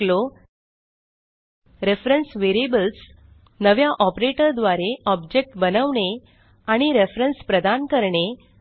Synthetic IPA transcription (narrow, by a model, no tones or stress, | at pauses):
lo | ɾefɾənsʋeɾiebəls | nəʋjaʔɔpɾeʈəɾd̪ʋaɾeɔbd͡ʑek̚ʈbənəʋɳe | aɽ̃iɾefɾənspɾəd̪ankəɾɳe